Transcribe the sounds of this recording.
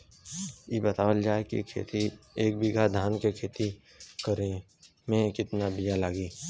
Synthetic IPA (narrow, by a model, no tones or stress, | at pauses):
jebət̪aːʋəld͡ʒaːekḭkʰḛːt̪ieːk̚bʱɪɡʱad̪ʱaːnkekʰeːt̪i | kəɾe | mẽkɪt̪nabijalaːɡiː